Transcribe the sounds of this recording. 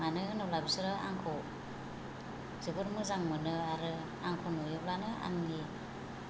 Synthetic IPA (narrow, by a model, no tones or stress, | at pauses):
manɯnɔblabisɯɾɯa̰ŋkʰɔ | zɯɡɯɾmɯzaŋmɯnɯaɾɯ | aŋkʰɔnɯjɔplanɯa̰nŋi